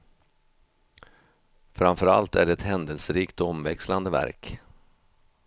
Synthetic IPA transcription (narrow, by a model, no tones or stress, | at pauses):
fɾamfœɾa̰lt̪æɖɛɛt̪hɛnd̪əlsəɾiːkt̪ɔɔmvɛksland̪əvæ̰ɾk